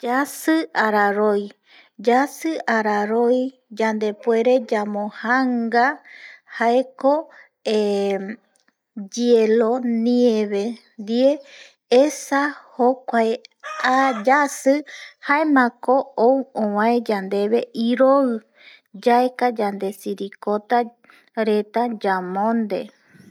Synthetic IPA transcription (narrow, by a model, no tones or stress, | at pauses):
d͡ʒasɨaɾaɾoj | d͡ʒasɨʔaɾaɾoj | d͡ʒand̪e̞pwe̞ɾe̞d͡ʒamõhaŋɡahaeko | e | d͡ʒielonĩeβend̪ie | esahokʷaead͡ʒasɨhaemãkoowõwãed͡ʒand̪e̞βe̞ʔiɾoɨ | d͡ʒaekad͡ʒand̪e̞siɾikot̪a | ɾe̞t̪ad͡ʒamõnd̪e̞̰